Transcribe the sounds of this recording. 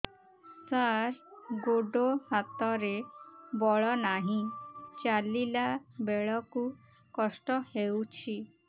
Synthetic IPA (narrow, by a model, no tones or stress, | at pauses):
saɾɡoɖohat̪ɔɾebɔɭɔnaɦĩt͡ʃalilabeɭɔku | kɔsʈɔhewt͡ʃʰi